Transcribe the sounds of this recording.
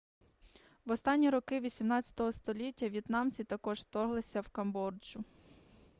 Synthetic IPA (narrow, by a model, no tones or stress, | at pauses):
ʋɔst̪ɑnʲːiɾɔkɪʋʲisʲimnɑt͡st͡sʲɐ̥t̪ɔɦɔst̪ɔlʲitʲːɐʋjit̪nɑmt͡sʲit̪ɐkɔʒt̪ɔrɦlˠɪsʲɐwkɐmbɔrd͡ʒʊ